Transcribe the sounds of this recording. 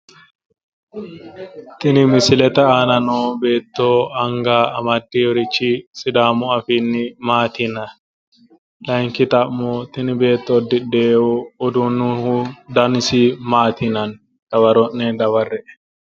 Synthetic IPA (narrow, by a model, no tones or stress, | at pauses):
t̪ɪnɪmɪsɪlɛt̪ɐaːnɐnoːbe̞ːt̪ːoːɐŋɡaːɐmɐd̪ːiɔɾɪt͡ʃːisɪd̪aːmʊɐfinːɪmaːt̪ɪnɐ | lɐŋkɪt̪ɐmmːot̪ɪnɪbe̞ːt̪ːod̪ːɪdeːwuɔd̪unːuhud̪ɐnɪsimaːt̪ɪnɐn | d̪̥ɐwɐɾɔnːɛd̪ɐwɐrːɛʔɛ̥